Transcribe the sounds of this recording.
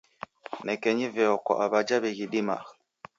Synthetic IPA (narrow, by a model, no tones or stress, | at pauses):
nɛkɛɲivɛɔkɔ̰ʔaβad͡ʒaβɛɣiɗima̰